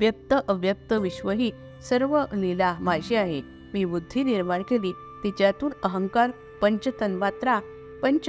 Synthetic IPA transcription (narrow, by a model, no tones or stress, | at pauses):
ʋjəp̚t̪əʔəʋjəp̚t̪əʋiɕʋəɦiː | səɾʋənilaɦmajɕiaɦe | miːbud̪ʱːiːniɾmaɽkeliː | t̪it͡ɕjat̪uːnəɦəŋkaɾ | pəɲt͡ɕət̪ənʋat̪ɾa | pəɲt͡ɕ